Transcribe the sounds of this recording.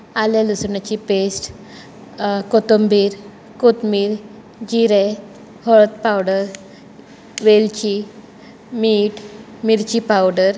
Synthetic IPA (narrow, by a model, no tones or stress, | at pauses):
aljalusɳat͡ɕipesʈ | kot̪ombiɾ | kot̪miːɾ | d͡ʑiɾe | hɔɭt̪̚pawɽəɾ | ʋelt͡ɕi | miːʈ | miɾt͡ɕipawɽəɾ